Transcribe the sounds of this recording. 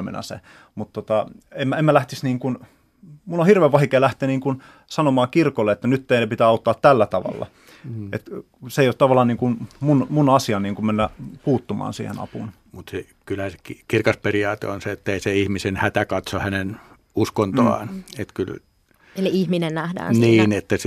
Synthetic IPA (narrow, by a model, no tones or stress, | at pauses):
mḛnɑ̰sḛ | mut̪t̪ːot̪ɑemːæemːælæht̪isniːŋkun | munːohirʋeːʋɑhikeːlæht̪eːniːŋkun | sɑnomɑːkirkolːeet̪ːænyt̪ːeinepit̪æːɑut̪ːɑːt̪t̪ælːæt̪ɑʋɑ̰lːɑ̰ | ʔḛt̪ | seijot̪ɑʋɑlˑːɑːniːŋkunmunmunɑsiɑniːŋkummenːæpuːt̪ːumɑ̰ːnsḭːhḛnɑ̰pṵn | mut̪se | kylhæse̥kikirkɑsperiɑːt̪ḛonseet̪ːeiseihmisenhæt̪ækɑt̪sohænen | uskont̪oɑ̰ːnet̪kyl | eliihminennæhdæ̰ːnsniːnet̪ːæs